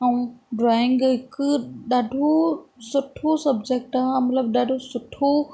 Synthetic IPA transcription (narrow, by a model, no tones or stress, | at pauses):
ɐũɖɾaːɪ̃ŋɡɦɪkʊɗaːɖʱosʊʈʰosɐbd͡ʑeːk̚ʈamɐt̪ləbɗaːɖʱosʊʈʰo